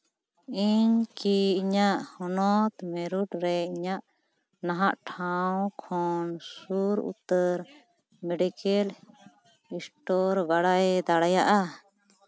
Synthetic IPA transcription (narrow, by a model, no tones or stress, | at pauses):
iɲkiiɲaʔhɔnɔt̪mɛɾuʈɾɛiɲaʔ | naɦaʔʈʰawkʰɔnsuɾṵt̪əɾ | mɛɖikɛl | isʈɔɾbaɽajd̪aɽajaʔa